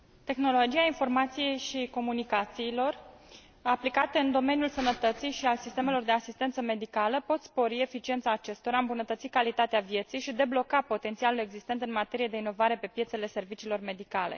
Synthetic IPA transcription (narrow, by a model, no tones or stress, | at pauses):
t̪e̞xno̞lo̞d͡ʒiainfo̞rmat̪sije̞jʃiko̞munikat̪siːlo̞r | aplikat̪əɨnd̪o̞me̞nijulsənət̪ət̪sijʃialsist̪e̞me̞lo̞rd̪e̞asist̪e̞nt̪səme̞d̪ikaləpo̞t̪spo̞ɾie̞fit͡ʃient̪saːt͡ʃe̞st̪o̞ɾaɨmbunət̪ət̪sikalit̪at̪eavje̞t̪sijʃid̪e̞blo̞kapo̞t̪ent̪ialule̞ɡzist̪e̞nt̪ɨnmat̪e̞ɾijed̪e̞ino̞vaɾe̞pe̞pjet̪se̞le̞se̞rvit͡ʃiːlo̞rme̞d̪ikale̞̰